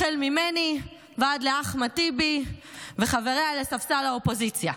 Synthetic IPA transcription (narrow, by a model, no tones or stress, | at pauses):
elmimeni | veadleaχmatibiveχave̞ʁealesafsalaopo̞zit͡sja